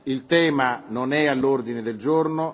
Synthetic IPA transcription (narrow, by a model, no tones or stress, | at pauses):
ilt̪ɛːmanonɛalːord̪ined̪eld͡ʒorno